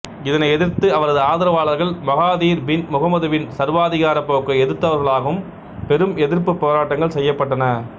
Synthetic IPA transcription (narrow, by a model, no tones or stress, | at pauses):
ɪðɐnɐɪɛðɪɾt̪ɯɐʋɐɾɐðɯaːðɪɾɐʋaːɭɐɾɣɐɭmɐɣaːðiːɾbɪnmʊɣɐmɐðɯʋɪnsɐɾʋaːðɪɣaːɾɐpːoːkːɐɛðɪɾt̪ːɐʋɐɾɣɐɭaːɣɐʋɯm | pɛɾɯmɛðɪɾpɯpːoːɾaːʈːɐŋɡɐɭsɛjːɐpːɐʈːɐnɐ